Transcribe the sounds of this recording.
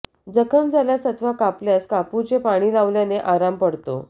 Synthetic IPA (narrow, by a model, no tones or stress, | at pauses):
d͡zəkʰəmd͡zaljasət̪ʰʋakapljaskaput͡ɕepaɽ̃iːlaʋljaneʔaɾampəɽt̪o̰